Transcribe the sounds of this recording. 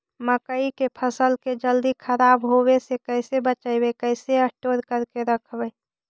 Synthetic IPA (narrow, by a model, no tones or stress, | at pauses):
məkəikepʰəsəlked͡ʒəld̪ikʰəɾabɦowesekəɪsebət͡ʃəɪbekəɪseəʈoɾkəɾkeɾəkʰbə